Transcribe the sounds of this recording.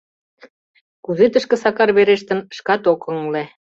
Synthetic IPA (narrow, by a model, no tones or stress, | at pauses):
kuzet̪ə̆ʃkɤ̆sɑkɑrβeɾeʃt̪ə̆nəʃkɑt̪okɤ̆ŋle